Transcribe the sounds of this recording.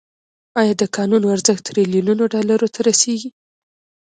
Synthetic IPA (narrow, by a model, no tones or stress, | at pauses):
ɑjɑd̪əkɑnunoaɾzəxt̪ɾilijununoɖɑlaɾot̪ʰaɾaseɡi